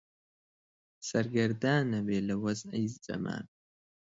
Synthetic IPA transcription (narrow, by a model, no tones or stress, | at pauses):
sɐɾɡɐɾd̪aːnɐbeːlɐwɐzɐ̰jzd͡ʒɐ̰ma̰ːn